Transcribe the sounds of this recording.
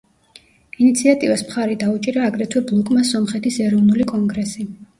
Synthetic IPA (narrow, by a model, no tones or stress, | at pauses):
init̪sʰiat̪ʼivasmχaɾɛd̪aut͡ʃʼiɾaːɡɾɛt̪ʰwɛblˠɔkʼmasɔmχɛt̪ʰisɛɾɔvnulikʼɔŋɡɾɛsi